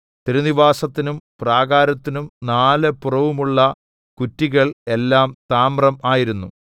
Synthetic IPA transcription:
t̪iɾuniʋaːsɐt̪ːinumpraːɣaːɾɐt̪ːinumnaːlepurɐʋumuɭːɐ | kutːiɣɐɭe̞lːaːmt̪aːmrɐmaːjiɾunːu

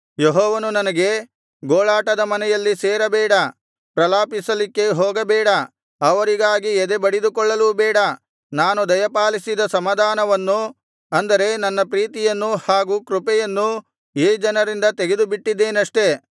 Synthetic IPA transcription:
jeɦɔːʋɐnunɐnɐɡe̞ | ɡoːɭaːʈɐd̪ɐmɐnɛjɐlːisɛːɾɐbɛːɽɐ | pɾɐlaːpisɐlikːe̞ɦoːɡɐbɛːɽɐ | ɐʋɐɾiɡaːɡiɛd̪ebɐɽid̪ukɔɭːɐlubɛːɽɐ | naːnud̪ɐjɐpaːlisid̪ɐsɐmɐd̪aːnɐʋɐnːu | ɐnd̪ɐɾe̞nɐnːɐpɾiːt̪ijɐnːuhaːɡuːkɾupɛjɐnːu | eːd͡ʒɐnɐɾind̪ɐt̪eɡe̞d̪ubiʈːid̪ːe̞ːnɐʂʈe̞

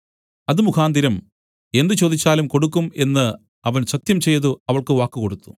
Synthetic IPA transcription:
ɐðɨmukʰaːnd̪iɾɐm | e̞nd̪ɨt͡ɕo̞ːd̪it͡ɕːaːlumko̞ɽukːume̞nːɨ | ɐʋɐnsɐk̚t̪jɐmt͡ɕe̞jðuɐʋɐɭkɨʋaːkːɨko̞ɽut̪ːu̥

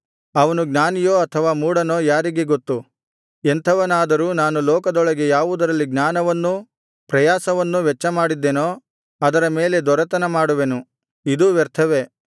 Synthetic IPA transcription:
ɐʋɐnuɡnaːnijoːɐt̪ʰɐʋaːmuːɽɐno̞ːjaːɾiɡe̞ɡot̪ːu | ent̪ʰɐʋɐnaːd̪ɐɾuːnaːnulɔːkɐd̪ɔɭɐɡe̞jaːʋud̪ɐɾɐlːiɡnaːnɐʋɐnːu | pɾɐjaːsɐʋɐnːuʋɛt͡ʃːɐmaːɽid̪ːenoː | ɐd̪ɐɾɐme̞ːle̞d̪ɔɾɐt̪ɐnɐmaːɽuʋe̞nu | id̪uːʋɛɾt̪ʰɐʋe

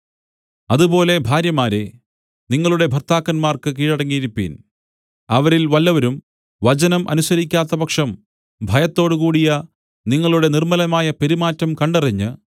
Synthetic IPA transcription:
ɐðubo̞ːle̞bʱaːɾjɐmaːɾe | niŋːɐɭuɽe̞bʱɐrt̪aːkːɐnmaːrkɨkiːɻɐɽɐŋːijiɾupːḭːn | ɐʋɐɾilʋɐlːɐʋɐɾum | ʋɐt͡ɕɐnɐmʔɐ̰nusɐɾikʲːaːt̪ːɐpɐkʂɐm | bʱɐjɐt̪ːo̞ːɽukuːɽijɐ | niŋːɐɭuɽe̞nirmɐlɐmaːjɐpeɾimaːtːɐmkɐɳɖɐriɲːɨ

